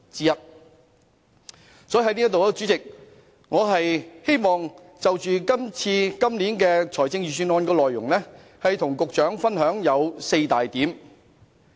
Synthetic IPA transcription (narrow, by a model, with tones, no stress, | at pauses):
t͡siː˧jɐ˥t̚ | sɔ˨˥jiː˨˩hɐ˥jniː˥t̪o˨wɛ˧t͡sy˨˥t͡sɪ˨k̚ | ŋɔː˨˧ɦɐ˨jhe˥jmɔː˨ŋ | t͡sɐ˨wt͡ʃyː˨kɐ˥mt͡sʰiː˧kɐ˥mliː˨˥nkɛː˧t͡sʰɔː˨˩jt͡sɪ˧ŋjyː˨syː˧nɔː˧nkɛː˧lɔː˨jːʊ̰˨˩ŋlɛː˥ | hɐ˨jt̪ʰʊ˨˩ŋkʊ˨k̚t͡ʃœː˨˥ŋfɐ˥nɦœː˨˥ŋjɐ˨˧wse˧jt̪aː˨jt̪iː˨˥m